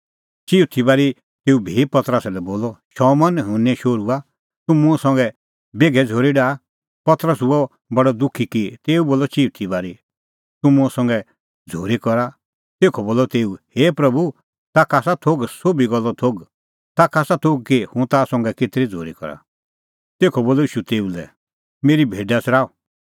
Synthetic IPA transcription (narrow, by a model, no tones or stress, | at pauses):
t͡ʃiːut̪ʰibaːɾi | t̪eːubʱipɐt̪ɾəsɛlɛboːlɔʃɔmɐnɦʊ̃nɛ̃ʃoːɾua | t̪ʊmũsɔ̃ŋɡɛ | beːɡʱɛd͡zʱoːɾiɖaː | pɐt̪ɾəs̬uɔ | bɐɽɔd̪ʊkʰːikit̪eːuboːlɔt͡ʃiːut̪ʰibaːɾi | t̪ʊmũɔ̃sɔ̃ŋɡɛ | d͡zʱoːɾikɔɾa | t̪eːkʰɔboːlɔt̪eːuheːpɾɐbu | t̪aːkaːsat̪ʰoːɡsoːbiɡɔlːɔt̪ʰoːɡ | t̪aːkaːsat̪ʰoɡ̚kihʊ̃t̪aːsɔ̃ŋɡɛket̪ɾid͡zʱo̰ːɾikɔ̰ɾa̰ | t̪eːkʰɔboːlɔiːʃut̪eːulɛ̰ | meːɾibʱeːɖat͡sʰɾaːɔ